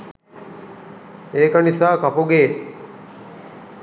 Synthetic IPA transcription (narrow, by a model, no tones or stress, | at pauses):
eːkanisaːkɐpuɡeː